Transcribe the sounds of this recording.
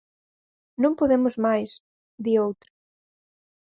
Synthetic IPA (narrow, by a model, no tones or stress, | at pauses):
nõmpoðemʊzmajs | ðiowt̪ɾɐ